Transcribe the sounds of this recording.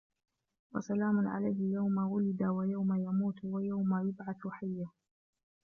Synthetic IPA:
wa̰salaːmʊnʕa̰lajhɪjawmawʊlɪd̪awajawmajamuːt̪wajawmajʊbʕaθħajːa

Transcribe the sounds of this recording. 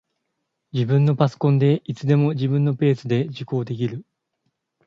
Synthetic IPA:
d͡ʑibɯ̟̃nːo̞paso̥kõ̞nd̪e̞it͡sɨd̪e̞mo̞d͡ʑibɯ̟̃nːo̞pe̞ːsɨd̪e̞ʑiko̞ːd̪e̞k̬ʲiɾɯ̟

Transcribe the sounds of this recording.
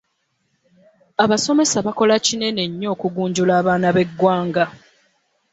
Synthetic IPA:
aβaso̞me̞saβako̞lacine̞ne̞ɲːo̞ːkuɡuːɲɟulaːβaːnaβe̞ɡwaːŋɡa

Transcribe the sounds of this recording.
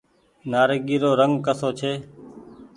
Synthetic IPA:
naːɾeɡiːɾoːɾəŋɡkəsoːt͡ʃʰeː

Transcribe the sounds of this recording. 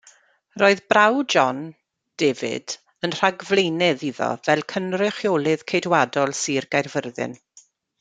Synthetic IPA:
roːɨðbrawd͡ʒɔn | d̥eːvɪ̰d̥ | ənr̥aɡvlˠejnɛðiðɔ̰vɛlˠkʰənrɪχjoːlˠɪð̥kʰejdwadɔlˠsiːrɡ̥ajrvərðɨ̰n

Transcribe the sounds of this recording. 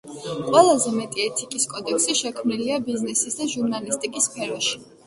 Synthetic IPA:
qʼwɛlˠazɛmɛt̪ʼiɛt̪ʰikʼiskʼɔd̪ɛksiʃɛkʰmniliabiznɛsisd̪aʒuɾnalist̪ʼikʼispʰɛɾɔʃi̥

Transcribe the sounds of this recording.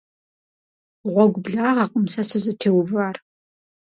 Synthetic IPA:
ʁʷɔɡʷbɮaːʁɐqʼəmsɐsɨzɨtʰeːwvaːr

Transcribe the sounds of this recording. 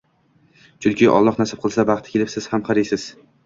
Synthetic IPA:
t͡ʃʰʊlˠkʲʰɪʔɒ̰lˠːɒχnasɪp̚qʰɨlˠsabɑχt̪ʰɪ̥kʲelɪpsɪz̥hamχɑɾɪjsɪz̥

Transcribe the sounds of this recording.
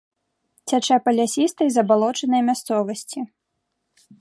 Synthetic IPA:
t͡sʲat͡ʂɛpɐlʲasʲist̪ɐjzɐbalˠɔt͡ʂɐnɐjmʲast̪sɔvɐsʲt͡sʲi

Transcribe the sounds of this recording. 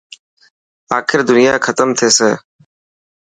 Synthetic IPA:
aːkʰɪɾd̪ʊnɪjaːkʰət̪əmt̪ʰeːseː

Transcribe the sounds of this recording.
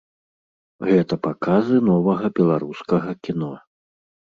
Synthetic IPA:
ɣɛt̪ɐpakazɨnɔvɐɣɐbʲɛlˠaɾuskɐɣɐkʲinɔ

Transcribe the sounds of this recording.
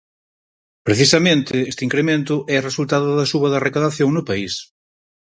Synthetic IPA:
pɾeθisɐmẽnt̪ɪest̪iŋkɾemẽnt̪ʊʔɛresult̪aðʊðɐsuβɐðɐrekaðaθjoŋnʊpais

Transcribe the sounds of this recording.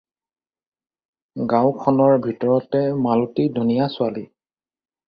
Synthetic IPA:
ɡãwkʰɔnɔɹbʱitɔɹɔtɛmalutidʱunijasʊali

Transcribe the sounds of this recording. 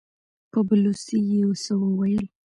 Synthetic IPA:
pəblusijewəsəwəwajəl

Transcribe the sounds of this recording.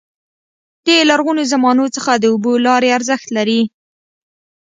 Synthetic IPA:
d̪̥elaɾɣunozamɑnot͡səxad̪əubolɑɾeaɾzəxt̪laɾi

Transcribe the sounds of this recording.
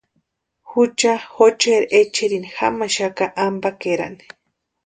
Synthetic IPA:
xut͡ʃaxot͡ʃeɾʔet͡ʃiɾinixa̰maʃakaʔambakeɾa̰ni̥

